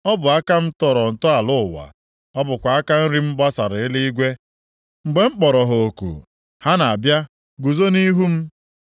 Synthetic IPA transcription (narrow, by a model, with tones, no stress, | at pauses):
ɔ˦bʊ˨a˦ka˦m̩˦tɔ˦ɾɔ˨n̩˨tɔ˦a˨lʊ˦ʊ˨wa̰˨ | ɔ˦bʊ˨kʷa˨a˦ka˦n̩˦ɾi˦m̩˦ba˦sa˨ɾɪ˨ɪ˦li˦i˦ɡʷe˦ | ŋ͡m̩˨ɡ͡be˨ŋ͡m̩˦k͡pɔ˨ɾɔ˨ɦo˨o˨kṵ˨ | ha˦na˨a˨bja˦ | ɡu˨zo˦ni˦ɦu˦m̩˦